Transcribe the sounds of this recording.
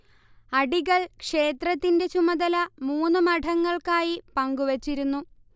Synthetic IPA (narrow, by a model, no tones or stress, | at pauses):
ɐɖiɣɐɭkʂe̞ːt̪rɐt̪ːinde̞t͡ɕumɐðɐlɐmuːnːɨmɐʈʰɐŋːɐɭkaːjipɐŋɡuʋet͡ɕːiɾunːu